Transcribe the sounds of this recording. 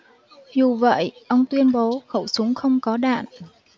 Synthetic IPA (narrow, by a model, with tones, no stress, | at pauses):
zu˨˩və̰˧˨jʔə˧wŋ͡mt̪wi˧ənɓo˨˦xə˧˩wsʊ˨˦ŋ͡mxə˧wŋ͡mkɔ˨˦ɗa̰ː˧˨n